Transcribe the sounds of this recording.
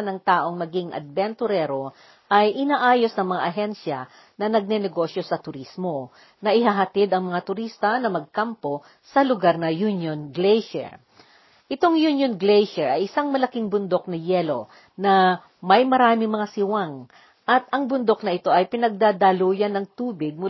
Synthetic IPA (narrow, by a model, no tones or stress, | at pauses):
nɐŋt̪aːʔo̞ŋmɐɡiŋʔɐ̰d̪̚bɛnt̪ʊɾɛɾo̞ | ʔɐjʔɪnaːʔaːjo̞snɐŋmɐŋa̰ʔɐɦɛnʃjɐ̰ | nɐnɐɡ̚nɛnɛɡo̞sjo̞sɐt̪ʊɾismo̞ | nɐʔɪɦaɦɐt̪id̪ɐŋmɐŋat̪ʊɾist̪ɐnɐmɐɡ̚kampo̞ | sɐlʊɡaɾnɐjunjonɡlejʃɛ̰ɹ | ʔɪt̪o̞ŋjunjonɡlɛjʃɛɹʔɐjɪsaŋmɐlɐkiŋbʊnd̪o̞k̚nɐjɛlo̞ | nɐ | mɐjmɐɾaːmɪŋmɐŋasɪwaŋ | ʔɐt̪ʔɐŋbʊnd̪o̞k̚nɐʔɪt̪o̞ʔɐjpɪnɐɡ̚d̪ad̪aluːjɐnɐŋt̪uːbɪɡ̚mʊ